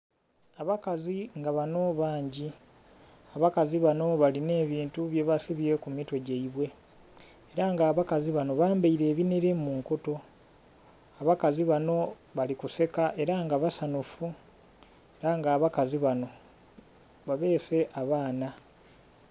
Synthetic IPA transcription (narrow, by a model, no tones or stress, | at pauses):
aβakaziŋɡaβano̞βaːɲɟi | aβakaziβano̞βaline̞ːβiːntuβje̞βasiβiɾe̞kumitwe̞ɟeiβwe̞ː | ɾaŋɡaːβakaziβano̞βaːmbaiɾe̞ːβiniɾe̞muːŋkoto̞ | aβakaziβano̞ | βalikuse̞kaʔe̞ɾaŋɡaβasanufu | eɾaŋɡaːβakaziβano̞ | βaβe̞ːse̞ʔaβaːna